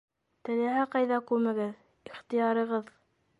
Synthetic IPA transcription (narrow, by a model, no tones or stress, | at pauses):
t̪ɘ̆læɦæqɑjðɑkʉɾmæɡɘð | iχt̪ɤjɑɾɤ̆ʁɤð